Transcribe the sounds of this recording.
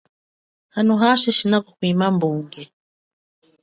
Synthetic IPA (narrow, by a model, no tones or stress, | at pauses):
hanuɦaʃiʃinakɔkwimambuŋɡɛ